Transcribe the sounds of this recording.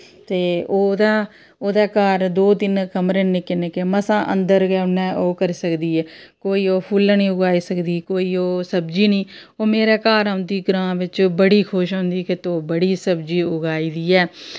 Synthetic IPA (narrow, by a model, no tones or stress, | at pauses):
t̪eːoːd̪aː | oːd̪aːkaːɾd̪oːt̪ɪnkəmɾeːneːkɪneːkeməsãːʔə̰̃nd̪əɾɡɛːʊnːɛ̃ːʔoːkəɾisəkd̪iːɛːkoːiːoːpʰʊlnĩːʊɡaːiːsəkd̪iːkoːiːoːsəbd͡ʒiːnĩː | oːmeːɾeːkaːɾaʊnd̪iːɡɾãːʋɪt͡ʃbəɽiːkʰoʃɦõːnd̪iːkɪt̪oːbəɽiːsəbd͡ʒiːʊɡaːiːd̪iːɛː